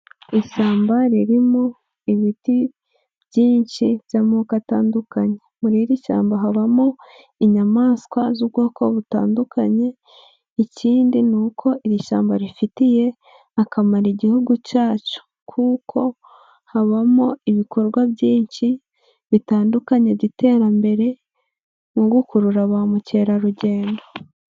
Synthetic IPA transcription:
iʃaːmbaɾiɾimo | iβiti | bɟiːnʃiβjamukataːndukaɲe̞muɾiɾiʃa̰ːmbaɦaβamo | iɲamaːskwazubɡo̞ːko̞̰βuta̰ːndukaɲe̞ | iciːndinuːkʰo̞ʔiɾiʃa̰ːmbaɾifitije̞ | akamaɾiɟihuɡucaːt͡ʃu̥ | kʰukʰo̞ | haβamoiβikʰo̞ɾɡwabjiːɲʃi | βitaːndukaɲe̞ɟite̞ːɾambe̞ɾe̞ | muɡukuɾuɾaβaːmuce̞ːɾaɾuɟe̞ːndo

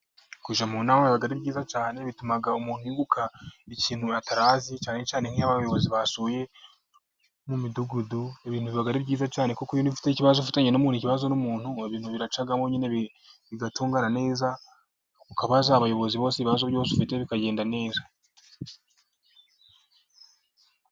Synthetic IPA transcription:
kuʒamunawoββaɡaɾibɟiːzat͡ʃaːne̞βitumaɡaumuːn̥huiːɡukʰaiciːnhuataɾaːzit͡ʃaːnet͡ʃaːneŋ̥iaβajo̞βo̞ziβasuːje̞ | mumiduɡudueβiːnhuβiβaɡaɾibɟiːzat͡ʃaːnekukoijoniβifi̥teciβazofitaɲenomuːniciβazo̞numuːn̥hueβiːn̥huβiɾat͡ʃaɡamoɲine̞β | βiɡatuːŋɡanane̞ːza | ukaβazaːβajo̞βo̞ziβo̞ːseiβazoβjo̞ːsfiteβikaɟe̞ːndane̞ːza

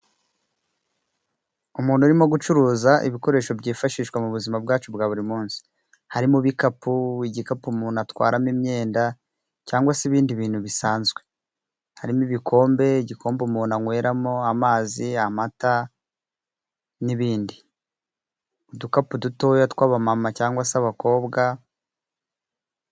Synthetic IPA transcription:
umuːn̤̥huɾimo̞ɡut͡ʃuɾuːzaʔḭβiko̞ɾe̞ːʃo̞bɟiːfaʃiːʃkwamuβuzimabɡaːt͡ʃubɡaːβuɾimuːnsi̥ | haɾimuβikapuiɟikapumuːnatwa̰ːɾamimɲe̞ːnda | caːŋɡwasiβiːndiβiːn̥huβisaːnzɡwe̞ | haɾimiβikʰo̞ːmbe̞iɟikʰo̞ːmbumuːnaŋwe̞ːɾamoamaːziamata | niβiːndi | udukapuduto̞ːjatwaːβamamacaːŋɡwasaβako̞ːbɡa

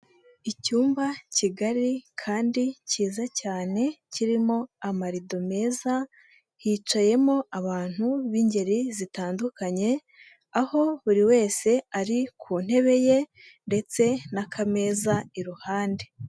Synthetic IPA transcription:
icuːmbaciɡaɾikʰaːndiciːzacaːne̞ciɾimo̞amaɾido̞me̞ːza | hiːt͡ʃaje̞mo̞aβaːn̥huβiɲɟe̞ɾizitaːndukaɲe̞ | aho̞βuɾiwe̞ːse̞aɾikʰun̥he̞βe̞je̞ | nde̞t͡se̞nakʰame̞ːzaiɾuhaːnde̞

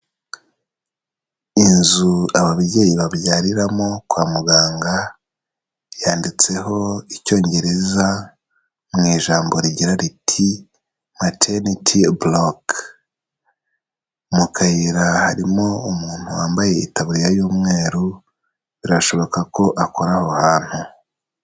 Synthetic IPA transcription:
inzuaβaβiɟeːjiβaβjaːɾiɾamo̞kwaːmuɡaːŋɡa | jaːndit͡se̞ɦo̞ico̞ːɲɟe̞ɾe̞za | mŋiːʒaːmbo̞ɾiɟiɾaɾitʰi | matʰenitʰiblok | mukʰajiɾahaɾimo̞umuːn̥huwaːmbaje̞ḭtaβuɾijajuːmŋe̞ːɾu | βiɾaʃo̞βo̞kako̞ʔako̞ɾaho̞haːn̥hu

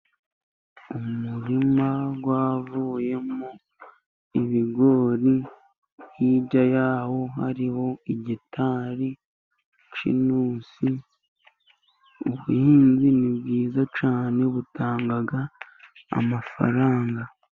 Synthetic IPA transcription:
umuɾimaɡwaːvuːje̞mo | iβiɡo̞ɾi | jiɟajaːho̞ha̰ɾiho̞iɟitʰaːɾi | t͡ʃḭnuːsi | uβujiːnzinibɡiːzat͡ʃaːne̞βutaːŋɡaɡa̰ː | mafa̰ɾaːŋɡa

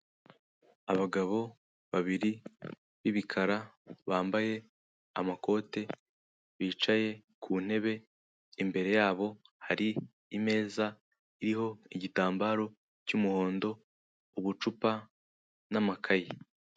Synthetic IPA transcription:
aβaɡaβo̞ | βaβiɾi | βiβikʰaɾa | βaːmbaje̞ | a̰mako̞ːte̞ | βiːt͡ʃaje̞kʰuːn̥e̞βe̞ | imbe̞ɾe̞jaːβo̞haɾiː | me̞ːza | iɾiho̞iɟitaːmbaːɾo̞ | cumuho̞ːndo̞ | uβut͡ʃupa | namakʰaje

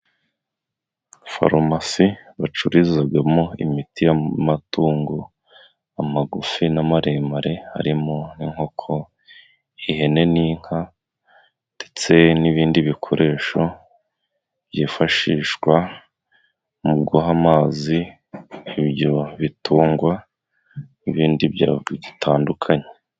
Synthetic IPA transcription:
fa̰ɾomasiβat͡ʃuɾizaɡamo̞ḭmitijamatuːŋɡo | amaɡufinamaɾemaɾe̞ha̰ɾimoniŋho̞kʰo̞ | ihe̞ne̞niːŋ̥ha | d̥e̥t͡se̞niβiːndiβikʰo̞ɾʔe̞ːʃo̞ | bjiːfaʃiːʃkwa | mubɡoɦamaːzi | iβjo̞βituːŋɡwa | niβiːndibjaiɟitʰaːndukʰaɲe

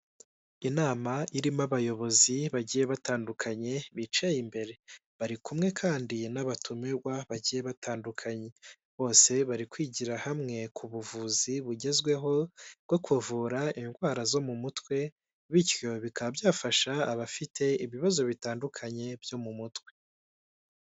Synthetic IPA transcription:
inaːmaʔiɾimaβajo̞βo̞ziβaɟije̞βataːndukʰaɲe̞βit͡ʃejimbe̞ɾe̞βaɾikumŋe̞kʰaːndinaβatʰumeɡwaβaɟije̞βatʰaːndukʰaɲe̞ | βo̞ːse̞βaɾikwiːɟiɾahamŋe̞kʰuβuvuziβuɟe̞zɡwe̞ɦo̞bɡ̥o̞kʰuvuɾaiŋɡwaːɾazo̞mumutwe̞ | βitjo̞βikaβabjaːfaʃaːβafitʰe̞iβiβazo̞βitaːndukʰaɲe̞bjo̞mumutwe̞

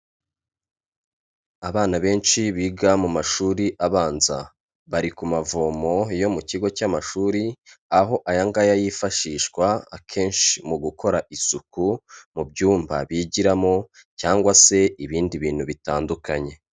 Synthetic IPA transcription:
aβaːnaβe̞ːnʃiβiɡamumaʃuːɾiʔaβaːnza̰ | βaɾikumavoːmo̞jo̞muciɡo̞camaʃuːɾiaɦo̞ʔajaŋɡajajifaʃiːʃkwaakʰe̞ːnʃimuɡuko̞ɾaʔisukumubɟuːmba̰βiɟiɾamo̞ | caːŋɡwase̞iβiːndiβiːn̥huβitaːndukaɲe̞

